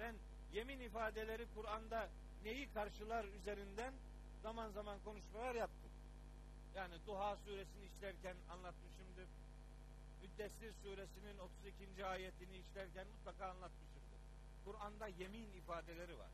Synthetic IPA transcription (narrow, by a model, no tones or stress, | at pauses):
b̥æn | je̞minifaːd̪elʲe̞ɾikʰuɾand̪a | ne̞jikʰaɾʃɯlˠaɾyze̞ɾind̪æn | zamanzamankʰo̞nuʃmalˠaɾjap̚t̪ʰɯm | jaːnid̪uɦaːsuːɾesiniːʃlʲæɾcæna̰nlˠat̪mɯʃɯmd̪ɯɾ̥ | myd̪ːɛsːiɾsuːɾesininot̪ʰuzicʰind͡ʒiaːjet̪ʰiniːʃlʲæɾcænmut̪lˠakaːnlˠat̪mɯʃɯmd̪ɯɾ̥ | kʰuɾand̪aje̞minifaːd̪elʲe̞ɾiva̰ɾ̥